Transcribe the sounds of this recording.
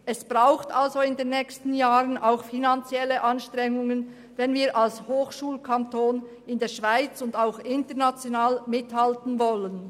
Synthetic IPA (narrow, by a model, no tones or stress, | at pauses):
ʔɛsb̥ʁaʊxtalzoɪndeːnːɛːçstn̩jaːʁənaʊxfinant͡sjɛləʔɑnʃtʁ̥ɛŋʊŋən | vɛnviːʁʔalshoːxʃuːlkʰantʰoːn | ɪndeːɐʃv̥aɪt͡sʊndaʊxɪntəʁnat͡sjonaːlmɪthaltn̩vɔlən